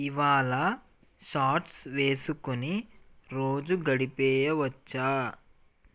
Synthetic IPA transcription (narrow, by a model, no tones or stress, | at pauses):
iʋaːlɐ | ʃaːʈsʋeːsukuniɾoːd͡ʒuɡɐɽipɛːjɐʋɐt͡ʃːaː